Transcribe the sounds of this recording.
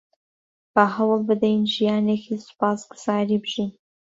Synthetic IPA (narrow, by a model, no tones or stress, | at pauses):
b̥aɦɐwlˠbɨd̪ejnʒijɑːneːkʰisʊ̥pɑːsɡʊ̥z̥ɑːɾiːbɨʒin